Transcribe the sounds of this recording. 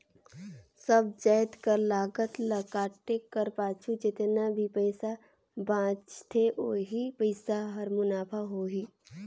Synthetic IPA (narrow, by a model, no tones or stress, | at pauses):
səb̚d͡ʒəːjt̪kəɾlaːɡət̪lɐkaːʈekəɾpaːt͡ʃʰud͡ʒɪt̪nabʱipəɪsa | bãːt͡ʃt̪ʰeʔoːɦipəɪsaɦɐɾmʊnaːpʰaɦoːɦiː